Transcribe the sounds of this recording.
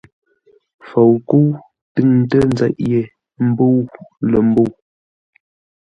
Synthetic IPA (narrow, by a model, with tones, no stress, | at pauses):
fo˨wku˦w | tɨ˦˨ŋn˦tə˦n˦zɛ˦ʔje˨ | m̩˦bo˦wlə˨m̩˦bo˦˨w